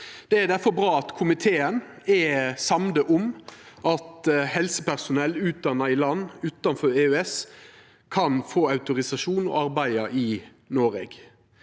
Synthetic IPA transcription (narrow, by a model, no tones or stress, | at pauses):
d̪̥ɛæd̪æfɔɾbɾɑːɑt̪kʰʊmɪt̪ʰeːənɛsɑmd̪əʔʊmʔɑt̪hɛlsəpʰæʁsʊnɛlːʉːt̪̚d̪ɑnːɑɪlɑnːʉːt̪ɑnfɔɾeːøɛs | kʰɑnfoːɑʉt̪ʊɾɪsɑʂuːnɔ̰ɑɾbæɪɑʔɪ | noːɾḛɡ